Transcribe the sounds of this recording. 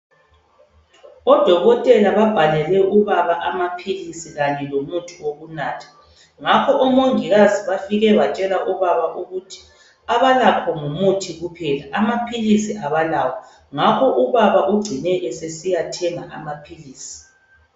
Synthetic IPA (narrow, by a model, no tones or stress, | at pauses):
ɔd̥ʱɔɣɔtʼɛlaβab̥ʱalɛlɛʔuβaβaʔamapʰilisiɣanɛlomutʰiwoɣunaːtʰḁ | ŋakʰɔʔɔmoŋiɣaziβafiɣɛβat͡ʃʼɛlaʔuβaβaʔuɣutʰi̥ | aβalakʰɔŋumutʰiɣupʰɛlaʔamapʰilisiʔaβalaːwɔ | ŋakʰɔʔuβaβaʔuɡ͡ǀʱinɛʔɛsesijatʰɛŋa̰ʔamapʰiliːsi̥